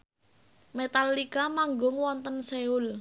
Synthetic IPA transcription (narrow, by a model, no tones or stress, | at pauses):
met̪alːikamaŋɡʊŋwɔnt̪ənseʊl